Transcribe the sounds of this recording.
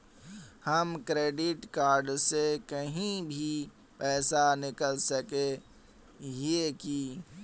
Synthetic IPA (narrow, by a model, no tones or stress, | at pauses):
həmkɾeːɖɪʈkaːɾɖsekəɦĩbʱi | pɛːsanɪkəlsəke | ɦeki